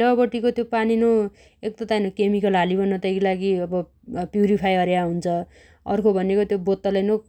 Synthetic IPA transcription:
ʌbʌʈikot̪jopanino | ek̚t̪ʌt̪ajnokemikʌlɦalibʌnːʌt̪ajkilaɡiʌbʌ | pjuɾipʰajʌɾjaɦunt͡sʰʌ | ʌ̰rkʰobʱʌnekot̪jobot̪ːʌlajno

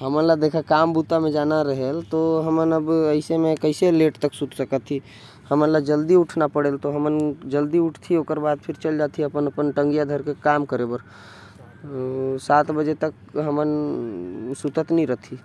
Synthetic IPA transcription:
ɦəmənlad̪eːkʰakambut̪amẽd͡ʒaːnaɾəɦelt̪oɦəmənəbəɪsemẽkəɪseleʈt̪əksut̪səkət̪ʰːi | həmənlad͡ʒəld̪iuʈʰnapəɽelt̪oɦəmənd͡ʒəld̪iʊʈʰt̪ʰioːkəɾbaːd̪̚pʰɪɾt͡ʃəld͡ʒat̪ʰiəpənəpənʈə̃ŋɡijad̪ʱəɾkekamkəɾebəɾ | saːt̪bəd͡ʒet̪ək | ɦəmən | sut̪ət̪nəĩɾəɦt̪ʰi

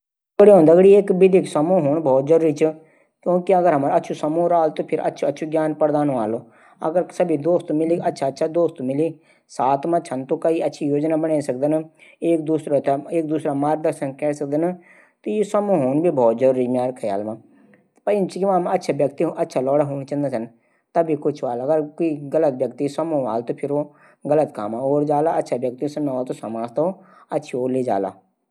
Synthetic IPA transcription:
ɡɽiːɦõːnd̪əɡɽiːekbɪd̪iksəmũːɦoːɳbʱɔːt̪̚zəɾuːɾiːt͡ʃ | kjõːkiəɡəɾɦəməɾətːʃʰuːsəmũːɾaːlt̪oːpʰɪɾə̰tːʃʰətːʃʰuɡjaːnpəɾd̪aːnõːa̰ːloː | ə̰ɡəɾsəbiːd̪oːst̪ːmɪliːətːʃʰaːtːʃʰaːd̪oːst̪ːmɪliː | saːt̪mãːt͡ʃʰənt̪õːkəiːətːʃʰiːjoːd͡ʒnaːbənẽːsək̚d̪əneːk̚d̪uːsɾat̪ːeːk̚d̪uːsɾaːmaːɾɡd̪əɾʃənkɛːsək̚d̪ən | t̪ojesəmũɦoːnbʱiːbʱɔːt̪̚d͡ʒoːɾɪd͡ʒmjaːɾkʰəja̰ːlmãː | pəɪnt͡ʃkɪʋãːmətːʃʰaːʋjəkt̪iɦoʔətːʃʰalɔːɽaːɦoːnt͡ʃə̃nd̪aːsən | t̪ɐbʱikʊt͡ʃʰʋaːləɡəɾkoiɡələt̪̚ʋjəkt̪isəmõːʋaːlt̪oːpʰɪɾoː | ɡələt̪kaːmãːoːɾd͡ʒaːlaətːʃʰaːʋjək̚t̪isənɔːlt̪osəmãːst̪oː | ətːʃʰioːɾleːd͡ʒa̰ːla̰ː

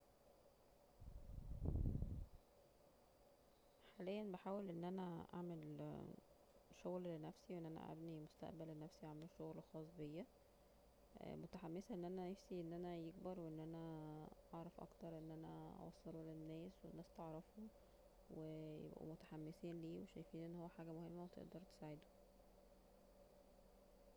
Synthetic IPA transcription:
ħaːlejːænbeħaːwelʔenːʔænæʔa̰ʕmel | ʃoɣllenæfsiweʔenʔænæ̰ʔæ̰bnimost̪æ̰ʔbælːenæfsiʔaʕmelʃoɣlxɑːsˤbejːæ | mot̪aħamːesæʔenːʔænænefsiʔenːʔænæjeɡbɑɾˤweʔenːʔænæʔɑʕɾˤɑfʔɑ̰kt̪ɑɾˤʔenːʔænæ̰ʔɑ̰wɑ̰sˤːɑlulenːæːswenːæːst̪eʕɾˤɑfu | wejḛbʔṵmot̪ḁħamːesiːnliːweʃæjfiːnʔenːhowːæħaːɡæmohemːæwet̪ḛʔd̪ɑɾˤt̪e̥saːʕed̪o̥

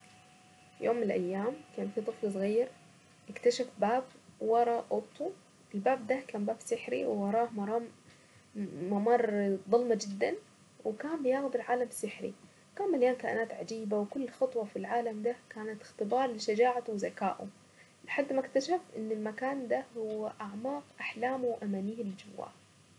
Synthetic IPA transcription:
fijoːmːɪnɪlʔajːaːmkaːnfit̪ˤɨflsˤɣajːɑɾ | ʔɪkt̪aʃafbaːb̚wɑɾˤɑʔʊt̪ˤːu | ʔɪlbaːb̚d̪akaːnbaːbsɪħɾḭwɪwɑɾˤɑːmɑɾˤɑː | mɑmɑːɾˤðˤɑlmad͡ʒɪd̪ːan | wɪkaːmbɪjaːɣd̪ɪlʕaːlamsɪħɾḭ | kaːmːaljaːnkaːʔɪnaːt̪ʕad͡ʒiːbawkʊlːxɑt̪ˤwɑfilʕaːlamd̪akaːnat̪ɪ̥xt̪ɪbɑːɾˤlɪʃad͡ʒaːʕat̪wzaka̰ːʔṵ | lɪħad̪ːmakt̪aʃaft̪ʔɪnːɪlmakaːnd̪ahʊwːaʔaʕmaːqʔaħlaːmuwʔamaːniːhɪlɪd͡ʒawːa̰ːl

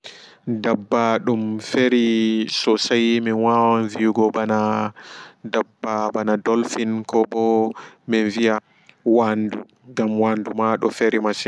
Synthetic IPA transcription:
dabːaɗumfeɾisɔsajmɛwawanvijuɡɔbana | dabːabanadɔlfinkɔbɔmɛnvija | wandu | ŋɡamwandumaɗɔfeɾimasi

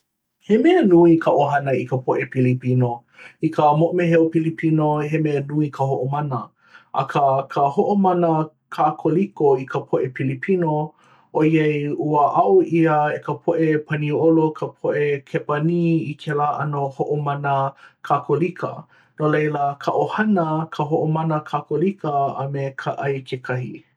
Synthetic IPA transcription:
hemeɐnuikʰəʔoɦɐnəikəpʰoʔepilipino | ikəmoʔmeɦeopilipʰinoɦemeɐnuikʰəhoʔomɐnə | ʔɐ̰kʰəkʰəhoʔomɐnə | kʰakʰolikoikəpʰoʔepilipʰino | ʔoiejuəʔawiəekəpʰoʔepʰɐniolokʰəpʰoʔekʰepaniikʰelaːʔɐnohoʔomɐnəkʰakʰolikʰə̰ | nolejləkʰɐʔohɐnəkʰəɦoʔomanəkʰakolikʰə̰ːmekʰaʔajkʰekʰɐhi

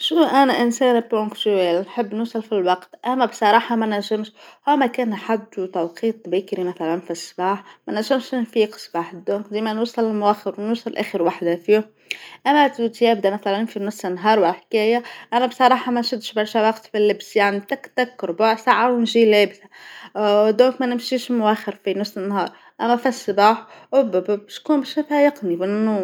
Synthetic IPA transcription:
ʃuʔænæʔɪnsæːnpɾʊ̃ŋkt̪æːlnħɪbːnuːsˤɑlfilwɑqt̪ʔæmːæbsˤɑɾˤɑːħɑmænæʒɪmʃhuːmækæːnħad̪ːut̪ɑwqiːt̪ˤbæːkɾimæθælænfisˤːbɑːħmænæʒɪmʃɪnfiːqsˤbɑːħd̪ʊkd̪iːmænwusˤɑlɪlmwæxɪɾwnuːsˤɑlʔæ̰ːxəɾwaħd̪afiːʊ | ʔæmːæt̪ut̪jæbd̪æmæθælænfinʊsˤɪnːɦɑːɾˤwalħkæːjaʔænæbsˤɑɾˤɑːħɑmænʃɪd̪ʃbɑɾˤʃæwɑqt̪filːɪbsjaʕnit̪ækt̪akːɾbaʕsaʕawnʒiːlæːbsa | d̪uːkmænɪmʃiːʃlmʊwæxəɾfinʊsˤənːɦɑːɾˤ | ʔæmːæfæsˤːbaːħʔʊbæbbʃkuːnbæʃmæfæjɑqnibnːu

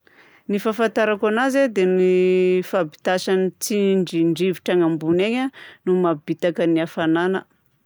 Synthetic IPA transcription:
nifafant̪aɾakanazed̪enifabi̥t̪asanit͡siɳɖ͡ʐiɳɖ͡ʐiviʈ͡ʂaŋambuneɲanumabit̪akəniafananə̰

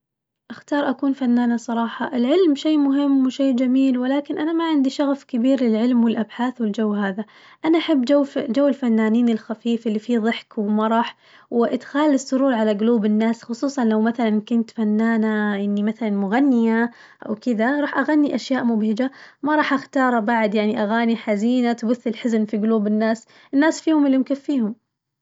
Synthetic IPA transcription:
ʔaxt̪ɑːɾˤʔakuːnfanːaːnasˤɑɾˤɑːħɑʔɪlʕɪlmʃeːmʊɦɪmːwɪʃeːd͡ʒamiːlwɪlaːkɪnʔanamaʕɪnd̪iʃɑɣfkɪbiːɾlɪlʕɪlmwɪlʔabħaːθwɪld͡ʒawːɦaːða | ʔanaʔaħɪbːd͡ʒawːd͡ʒawːɪlfanːaːniːnɪlxafiːfʔɪlːifiːðˤɨħkwɪmaɾˤɑːħ | wɪʔɪd̪xaːlːɪsˤːʊɾuːɾˤʕalaɡʊluːbɪnːaːsxʊsˤuːsˤɑnlawmaθalankʊnt̪fanːaːnaʔɪnːimaθalanmʊɣanːɪja | ʔa̰wkɪd̪aɾˤɑːħʔaɣanːiʔaʃjaːʔmʊbhɪd͡ʒamaɾˤɑːħʔaxt̪ɑːɾˤbaʕd̪jaʕniʔaɣaːniħaziːnat̪bʊθːɪlħɪznfiɡʊluːbɪnːaːs | ʔɪnːaːsfiːhʊmɪlːɪmkɪfːiːhʊm

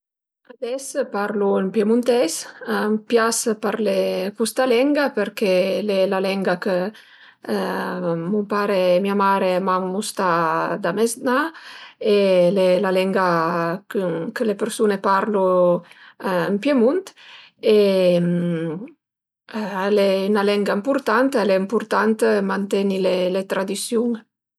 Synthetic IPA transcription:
ad̪ɛspaɾluəmpjemunt̪ɛsmpjaspaɾlekust̪alɛŋɡapəɾkelelalɛŋɡakə | mumpaːɾemiamaːɾemamːust̪ad̪amɛzna | elelalɛŋɡakkəlepeɾsunepaɾlu | əmpjemunt̪ | e | aleynalɛŋɡaimpuɾt̪ant̪aleimpuɾt̪ant̪mant̪ɛnilelet̪ɾad̪isjuŋ

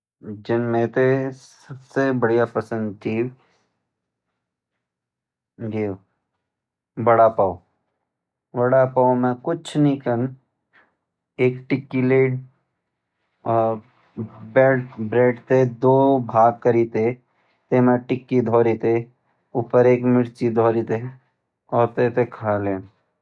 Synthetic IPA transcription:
d͡ʒɪnmẽt̪esəbsebəɽijapɐsə̃nd̪̚t̪ʰiː | ɡio | bɐɽapao | ʋɐɽapaomɛ̃kʊt͡ʃʰnĩkən | eːkʈɪkːileːɖ | beːɖbɾeːɖt̪ed̪oːbʱaːɡ̚kəɾiːt̪e | t̪eːmẽʈɪkːid̪ʱɔːɾit̪e | upəɾeːkmɪɽt͡ʃid̪ʱɔːɾit̪e | ɔːɾt̪et̪ekʰaːleːn

